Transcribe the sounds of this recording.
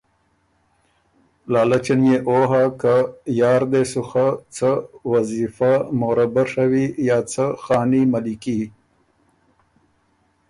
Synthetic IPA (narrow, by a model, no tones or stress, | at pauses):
lɑːlat͡ʃanjeʔoːɦakajɑːɾd̪esuxat͡sʰəwazifamoɾabaɾʂawijaːt͡sʰaxɑːnimaliki